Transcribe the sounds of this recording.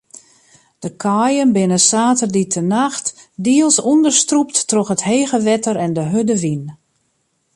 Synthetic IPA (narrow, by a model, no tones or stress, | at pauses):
d̥əkʰɔjənbɪnəsaːtərditʰənaxtdiəlˠsundərstruptːrɔxətheːɣəʋɛtəɾɛndəɦødəʋin